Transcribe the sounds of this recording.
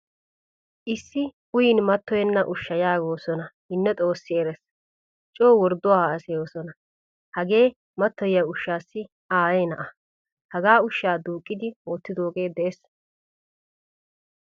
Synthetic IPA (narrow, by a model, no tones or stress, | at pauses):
ʔɪsːɪ | ʊjɪnmɐt̪ːɔjɛnːɐʔʊʃːɐjaːɡo̞ːsɔnɐhɪnːɛt̪ʼo̞ːsːɪɛɾɛs | t͡ʃʼoːwɔɾd̪ʊwaɐsɛjo̞ːsɔnɐ | hɐɡe̞ː | mɐt̪ːɔjjaʊʃːaːsːɪ | aːjɛjnɐʔɐ | hɐɡaːʊʃːaːd̪uːkʼːɪd̪ɪwoːt̪ːɪd̪o̞ːɡe̞ːd̪ɛʔes